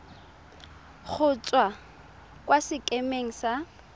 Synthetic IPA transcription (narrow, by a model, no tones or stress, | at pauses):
χʰʊt͡sʼwa | kwasɪkʼemeŋ̩sa